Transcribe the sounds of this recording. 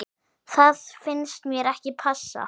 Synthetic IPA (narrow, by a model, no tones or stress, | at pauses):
θaðfɪnst̪mjɛɾɛhcɪpʰasːa̰